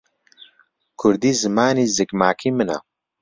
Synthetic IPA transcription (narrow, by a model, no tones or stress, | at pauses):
kʰʊɾd̪iːzɨmaːniːzɨkmaːkʰimɨna̰